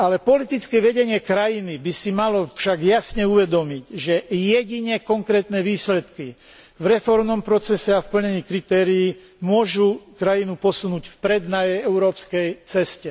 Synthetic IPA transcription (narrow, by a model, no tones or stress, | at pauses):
alɛpɔlit̪it͡skɛʋɛɟɛɲɪɛkɾajinibisimalɔfʃaɡjasɲɛuʋɛd̪ɔmiɟʒɛjɛɟiɲɛkɔŋkɾɛːt̪nɛʋiːslɛt̪ki | vɾɛfɔɾmnɔmpɾɔt͡sɛsɛafpl̩ɲɛɲiːkɾit̪ɛːɾijiː | mʊɔʒukɾajinupɔsunuːcfpɾɛd̪najɛjɛʊɾɔːpskɛjt͡sɛscɛ